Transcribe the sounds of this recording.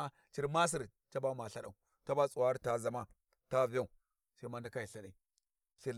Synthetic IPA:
t͡ʃi˦ɾma˦s̬i˦˨ɾ | ta˦ba˦ma˨ɬa˨ɗa˨u˨ | ta˦ba˦t͡sʼu˨wa˦ɾta˦za˨ma˦ | ta˦vi˨˦a˦u˨ | sa˦i˦ma˦nda˦ka˦ji˨ɬa˨ɗa˨i˦˨ | ɬi˦

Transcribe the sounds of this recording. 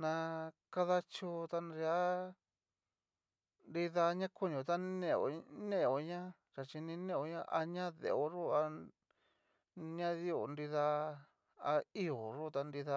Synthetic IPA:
nã˧ka˦ða˧t͡ʃo˧t̪a˧nɾi˧a˦ | nɾi˧ða˧ɲã˦ko˦ɲõ˨t̪a˦nẽ˧o̰˨nẽ˦˨o˨ɲã˦ | ɾa˨t͡ʃi˧nĩ˧nẽ˦˨o˧˦ɲã˦˧˦ʔa˧ɲã˦ðḛ˨o˧ʐo˦a˧ | ɲã˦ði˦o˨nɾi˧ða˧ | a˧i˦o˨ʐo˦t̪a˧nɾi˧ða˧

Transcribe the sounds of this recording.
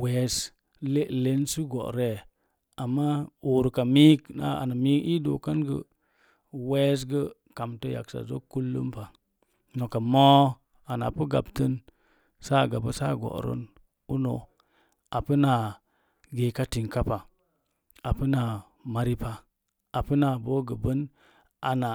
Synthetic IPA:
we˨˦s | le˦le˦nsu˦ɡɔ̰˨ʔɾe˦˨ | a˨mːa˦u˨ɾka˨mi˦kna̰˨a̰˨na˨mi˦ki˦do̰˨ka˦nɡə˨ | we˦s̬ɡə˦ | ka˨mtə˦ja̰˨ksa̰˨zo̰˦ku˦lːə̰˦mpa˨ | no˨ka˨mɔ˦ | a˨na˨pə˦ɡa̰˨btə˦n | sa˦˨ɡa˨bə˦sa̰˦˨ɡo̰˨ɾə̰˦n | u˦no˨ | a˨pə˦na˨ | ɡe˨ka˦ti˨ŋka˦pa˨ | a˨pə˦na˨ | ma˨ɾi˦pa˦ | a˨pə˦na˨bo˦ɡə˨bə˦n | ʔa˨na˨

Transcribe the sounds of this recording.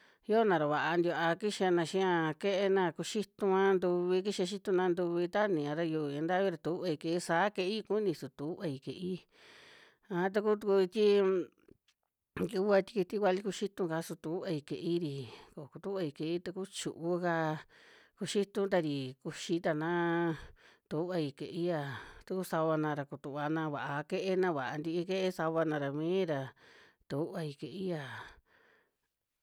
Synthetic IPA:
jo˦˧nã˨ɾa˨βa˨ʔa˧nd̪ʲʔa˧ki˦ʃa˧nã˧ʃĩ˦ã˧ke˦ʔe˧nã˧ku˧ʃi˦t̪ũ˧ã˦nd̪u˧βi˧k̬i˦ʃa˧ʃ̬i˦t̪ũ˧nã˧nd̪u˧βi˧t̪a˦nĩ˨ã˧ɾa˧ju˧˨ã˧nd̪a˦βi˦˧ɾa˧t̪u˧u˦βa˧i˧ke˧˨i˦saː˨˦ke˧ʔi˦˧ku˦nĩ˧su˨t̪u˨u˦ʔa˧i˧kḛ˨ʔi˦ | ã˧˦˧t̪̬a˧ku˦t̪u˧ku˧t̪ʲi˦ | ɡi˧u˦a˧t̪i˧ki˧t̪i˦kwʷa˧li˧˦ku˧ʃi˦t̪ũ˧ka˧˦su˧t̪u˧u˦βa˧i˧kḛ˨ʔi˦ɾi˨ko˨ku˧t̪u˦βa˧i˧˨ke˧˨i˦t̪a˧ku˦t͡ʃu˨ʔu˦ka˧ | ku˧ʃi˦t̪ũ˧t̪̬a˧ɾi˨ku˧ʃi˧˦t̪a˧nã˦ | t̪u˧˨u˦βa˧i˧kḛ˨ʔi˦ja˧˨t̪u˧ku˦sa˧βa˧nã˧ɾa˧ku˧t̪u˧˨βa˧nã˧βa˨ʔa˧ke˦ʔe˧nã˧βa˨ʔa˧nd̪i˧i˧ke˦ʔe˦sa˧βa˧nã˧ɾa˨mĩː˦ɾa˧t̪u˧˨u˦ʔa˧i˧ke˨i˦ja˧˨

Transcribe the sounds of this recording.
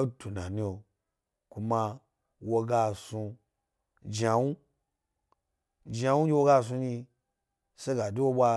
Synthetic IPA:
o˦tu˨na˨ni˧˦o˧ | ku˧ma˧ | wo˧ɡa˧su˧ | d͡ʒa˧wu˦ | d͡ʒa˧wu˦d͡ʒʲi˧wo˧˦ɡa˧s̬u˧ɲi˧ | se˦ɡa˨di˦wo˦ɓʷa˧

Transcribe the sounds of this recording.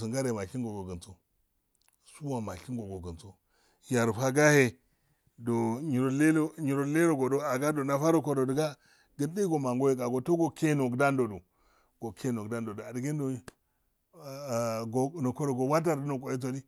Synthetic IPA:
si˨ŋɡa˦ɾe˨ma˨ɬi˦ɡo˨ɡo˨ɡə˨nt͡so˦ | su˦wa˨ma˨ɬi˦ŋɡo˨ɡo˨ɡə˨nt͡so˦ | ja˨ɾɸa˦ɡa˦he˨ | do˨ɲi˨ɾo˨le˦lo˦ɲi˨ɾo˦˨le˦ɾo˨ɡo˨do˦a˨ɡa˦do˨na˦fa˦ɾo˨ko˦ɾo˨di˨ɡa˦ | ɡə˦ndi˦ɡo˨ma˨ŋɡo˦je˦ka˨ɡo˨to˦ɡo˨ke˦no˨ɡda˦ndo˨du˨ | ɡ̥o˨kʰe˦no˨ɡda˦n˦do˨do˨a˨di˨ɡe˦ndo˨˦˨ | ɡo˨no˨ko˦ɾo˨ɡo˨wa˦t̬a˦ɾdi˦no˨ko˨je˦t̬o˨di˦

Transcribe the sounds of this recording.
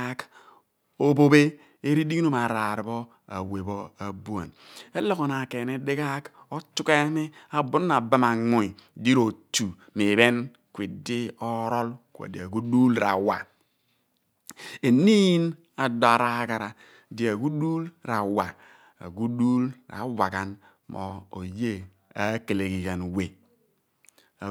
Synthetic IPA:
k | o˦bo˦be˦ | e˦ɾi˦di˦ɡi˦no˦ma˨ɾa˨ɾi˨bo˦ | a̰˨we˨bo˦a˨bu˦a̰˨ne˦lo˦ko˨n˨a˨ke˨ne˦de˦ɡa˦ko˦tu˦ke˦ni˦a˨bu˦n˦na˨ba˦ma˨ŋu˨i˨di˦ɾo˨tu˨ | mi˨be˦n | kʷi˨di˦ɔ˦ɾo˦lka̰˨dḭ˨a˨ɡu˦du˦lɾa˨wa˨ | e˨ni˦n | a˨do˨a˨ɾa˨˦ɡa˨ɾa˨ | di˨a˨ɡu˦du˦lɾa˨wa˨ | a̰˨ɡu˦du˦lɾa̰˨˦wa˨ɡa˦n | mʔo̰˨o̰˨je˦ | a˨˦ke˨le˨ɡi˨ja˨nwe˨ | a˨

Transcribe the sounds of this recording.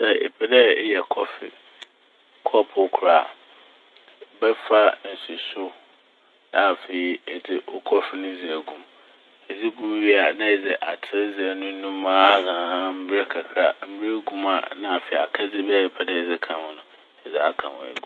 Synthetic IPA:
sɛ˦ḛ˨pʰɛ˦dɛ˦jɛ˨kʰɔ˦fɪ̰˨ | kʰɔ˦pʰʊ˨˦kʰɾa˨ | bɛ˦fa˦n̩˨su˨sʊ˦ | a˨fe˨i˨ɛ˨d͡zɪ˨o˦kʰɔ˦fɪ˦nʊ̃˦d͡zɪ˨æ˨ɡũ˦m | ɛ˨d͡zɪ˦ɡũ˦m˦ɥi˦a˨nã˦ɛ˨d͡zɛ˨ʔa˨tʰɪ˦ɾɪ˦d͡zɪ˨æ˨nʊ̃˦nũ˦mãː˦a˦hã˨˦m̩˦bɪ˦ɾɛ˦kʰa˨kʰɾa˨m̩˦bɪ˦ɾe˦ɡũ˦ma̰˨nã˦a˨fe˨i˨a˨kʰa˦d͡zɪ˦bɛ˦˨e˨pʰɛ˨dɛ˦˨d͡zɪ˦kʰã˨mʊ̃˨nʊ̃˨ | ɛ˨d͡zɛ˨a˦kʰã̰˨wɔ̰̃˨ɛ̰˨ɡũ˦

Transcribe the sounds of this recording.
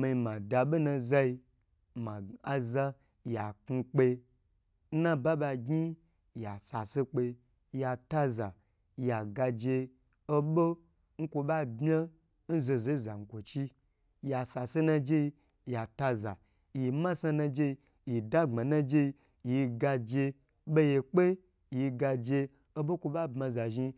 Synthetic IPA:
ma˧i˧mã˨da˨ɓo˦nã˧za˧i˧ | ma˨a˨za˧ | ja˨ku˧k͡pe˧˦ | nã˦ba˦ba˧ɡi˦˨ | ja˨sa˨se˧k͡pe˧˦ | ja˨ta˦za˨ | ja˨ɡa˧d͡ʒe˧ | o˦ɓo˦ | ŋ̩˦kʷo˧ɓa˦bʲa˦ | n̩˦ze˧ze˦˨za˨ŋ̩˨kʷo˨t͡ʃi˦ | ja˨sa˨se˦nã˧d͡ʒe˦i˧ | ja˨ta˧za̰˨ | ji˧˨mã˦sa˧nã˧d͡ʒe˧ | ji˨da˦ŋ͡ma˨nã˦d͡ʒe˧i˧ | ji˧ɡa˧d͡ʒe˧ | ɓo˦je˧k͡pe˦˨ | ji˧ɡa˧d͡ʒe˧ | o˦bo˦kʷo˧ba˦˨bmã˧za˨ʒi˧

